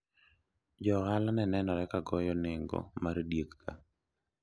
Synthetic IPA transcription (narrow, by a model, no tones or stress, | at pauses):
d͡ʒɔɣalanɛnɛnɔɾɛkaɡɔjɔnɪŋɡɔ̰maɾdjekːa̰